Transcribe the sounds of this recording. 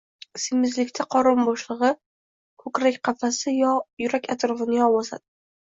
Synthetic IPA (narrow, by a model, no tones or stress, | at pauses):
sɪmɪzlɪkʲt̪ʰaqʰɒɾɪmbɒʃlˠɨʁɨ | kʰɵkɾakʲqʰɑfasɪjɒjʊɾakʲat̪ɾɒfɪnɪjɒwɒsa̰d̪̥ɪ